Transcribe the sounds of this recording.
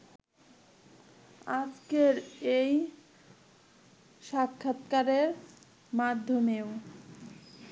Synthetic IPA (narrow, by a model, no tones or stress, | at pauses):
ad͡ʑkeɾej | ʃakʰːat̪kaɾeɾ | mad̪ʱːomeo